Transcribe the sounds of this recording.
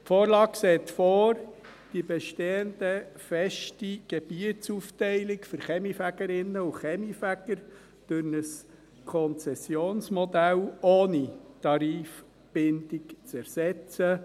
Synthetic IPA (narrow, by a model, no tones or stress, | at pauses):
foːɾlɑːksɛːt̪fɔːrd̥ibɛʃteːənd̥əfɛʃtiɡ̥ɛb̥iətt͡suftɛɪlɪkfʏɾχɛmifæɡ̥əɾɪnːəuχɛmifæɡ̥əɾ | d̥øɾnəs | kʰɔnt͡sɛsjoːnsmɔd̪æloːnit̪ɑɾiːf | b̥ɪnd̪ɪkt͡sɛɾsɛt͡sə